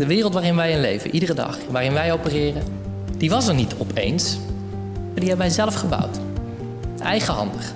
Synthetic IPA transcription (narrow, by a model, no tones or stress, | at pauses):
dəʋɪːrlˠtʋaːrɪnʋɛjɪnlḛjvə̰nʔidərədɑ̰χʋaːrɪnʋɛjowpərɪːrə | d̥iʋɑsəɹnitʰɔpʰḛjns | diɦɛbəʋɛjzɛləfχəbʌ̰wt | ɛjχəɦɑ̰ndəχ